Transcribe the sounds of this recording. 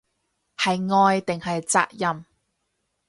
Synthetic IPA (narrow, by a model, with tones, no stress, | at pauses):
hɐ˨jŋɔː˧jt̪ɪ˨ŋhɐ˨jt͡sa̰ː˧k̚jɐ˧m